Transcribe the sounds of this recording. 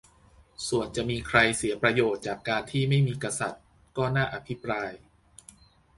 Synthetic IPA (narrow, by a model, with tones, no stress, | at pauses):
su˨˩ənt͡ɕa˨˩ʔmiː˧kʰɾa˧jsi˩˦ɐpɾa˧joː˨˩t̪̚t͡ɕaː˨˩kːaː˧nt̪ʰiː˥˩ma˥˩jmiː˧ka˧sa˨˩t̪̚ | kɔː˥˩naː˥˩ʔa˧pʰi˦˥pɾaː˧j